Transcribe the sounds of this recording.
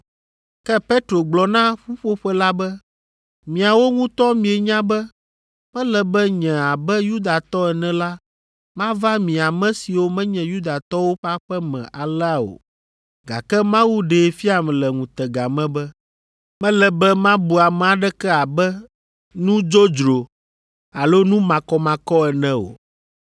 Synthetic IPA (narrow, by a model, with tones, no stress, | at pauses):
kɛ˦pe˦t̪ɾo˨ɡ͡blɔ˨nã˦ɸu˦ɸo˦ɸɛ˦la˦bɛ˦ | mĩ˨a˨wo˦ŋũ˦t̪ɔ˦mĩ˨e˨ɲã˦bɛ˦ | mɛ̃˦lɛ˨bɛ˦ɲɛ̃˨a˨bɛ˦ju˦d̪a˨t̪ɔ˦ɛ˨nɛ̃˨la˦ | mã˦va˦mĩ˨a˨mɛ̃˦si˨wo˦mɛ̃˦ɲɛ̃˨ju˦d̪a˨t̪ɔ˦wo˦ɸa˦ɸɛ˦mɛ̰̃˨ʔa˨lɛ˦a˨o̰˨ | ɡa̰˨kɛ˦mã˦wu˦ɖe˨˦fi˦a˨m˨lɛ˨ŋũ˨t̪ɛ˨ɡa˨mɛ̃˦bɛ˦ | mɛ̃˦lɛ˨bɛ˦mã˦bu˨a˨mɛ˦a˨ɖɛ˦kɛ˦a˨bɛ˦ | nũ˦d͡ʒo˦d͡ʒɾo˨ | a˨lo˦nũ˦mã˨kɔ˨mã˨kɔ˦ɛ˨nɛ̃˦o̰˨